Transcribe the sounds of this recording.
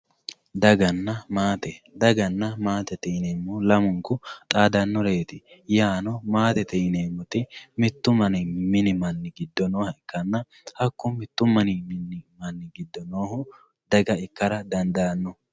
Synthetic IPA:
d̪ɐɡɐnːɐmaːt̪ɛ | d̪ɐɡɐnːɐmaːt̪ɛt̪ɛneːmːʊlɐmʊŋkʊt̪ʼaːd̪ɐnːɔɾeːt̪ɪjaːnɔmaːt̪ɛt̪ɛneːmːʊt̪ɪmɪt̪ːʊmɐnɪmɪnɪmɐnːɪɡɪd̪ːɔnoːhɐɪkːɐnːɐ | hɐkːʊmɪt̪ːʊmːɐnɪmɪnːɪmɐnːɪɡɪd̪ːɔnoːhʊ | d̪ɐɡɐɪkːɐɾɐd̪ɐnd̪ɐɐnːɔ

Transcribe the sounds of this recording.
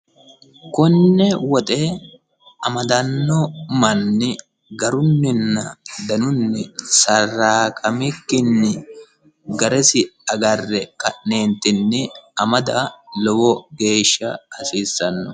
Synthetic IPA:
kɔnːɛwɔt̪ʼeː | ɐmɐd̪ɐnːɔmɐnːɪ | ɡɐɾʊnːɪnːɐd̪ɐnʊnːɪsɐrːaːkʼɐmɪkːɪnːɪ | ɡɐɾɛsɪɐɡɐrːɛkʼɐʔne̞ːnt̪ːɪnːɪɐmɐd̪ɐlɔwɔɡe̞ːʃːɐɐsiːsːɐnːɔ

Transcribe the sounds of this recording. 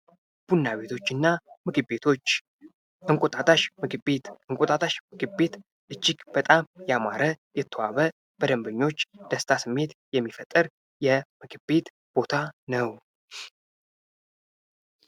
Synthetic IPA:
b̥unːaβe̞t̪ʰo̞t͡ʃːɨnːamɨɡɨbet̪ʰot͡ʃː | ɨŋkʼot̪ʼat̪ʼaʃmɨɡɨbet̪ɨŋkʼot̪ʼat̪ʰʼaʃmɨɡɨbe̞t̪ | ʔɨt͡ʃːiɡb̥ət̪ʼamjama̰ɾəjɛt̪ʰːəwaβə | b̥əd̪əmbəɲːo̞t͡ʃːd̪̥əst̪ʰasɨmːe̞t̪jɛmːifət̪ʼːɨɾ | jɛmɨɡɨbe̞t̪ | b̥o̞t̪ʰanəw

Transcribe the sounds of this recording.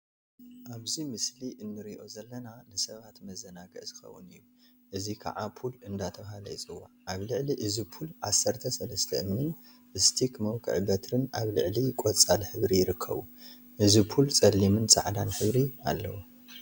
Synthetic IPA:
ʔaβzimɨsliʔɨnːɨɾiʔo̞zɐlːɐnanɨsɐβat̪mɐzɐnaɡɐ̰ʔz̥ɨxɐ̰wːṵnɨjːu | ʔɨzikʰa̰ʕapʰulɨnd̪at̪ʰɐβhalɐjɪt͡sʼɨwːaʕʔaβlɨʕliʔɨzipʰulʕasːɐɾt̪ʰɐsɐlɐst̪ʰɐʔɨmnɨn | ʔɨst̪ʰikʰmɐwkʰɨ̰ʕbɐt̪ʰɾɨnʔaβlɨ̰ʕlikʷʼot͡sʼalħɨβɾijɪɾɨkʰːɐ̰βu | ʔɨzipʰult͡sʼɐlːimɨnsʼa̰ʕd̪anħɨβɾia̰lːɐ̰wu

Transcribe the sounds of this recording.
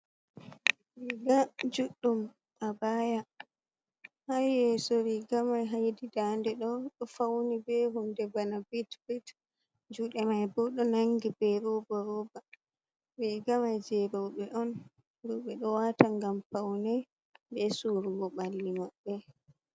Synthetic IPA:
ɾiɡad͡ʒuɗːum | abaːja | hajjɛsɔɾiɡamajɦajdidandɛɗɔɗɔfawnibɛɦundɛbanabitbit | d͡ʒuɗɛmajbɔɗɔnaŋɡibɛɾɔbaɾɔba | bɛɡamajd͡ʒɛɾɔɓɛʔɔn | ɾɔɓɛɗɔwataŋɡamfawnɛj | bɛsuɾuɡɔɓalːimaɓːɛ

